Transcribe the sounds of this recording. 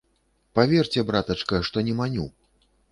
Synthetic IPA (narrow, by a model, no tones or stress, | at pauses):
pavʲɛrt͡sʲɛbɾat̪ɐt͡ʂkɐʂt̪ɔnʲɛmanʲṵ